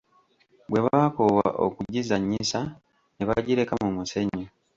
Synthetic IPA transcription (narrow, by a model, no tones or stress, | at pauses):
bwe̞βaːkowaa̰ʔo̰kuɟizaɲːisa | neβaɟiɾekamumuseɲːo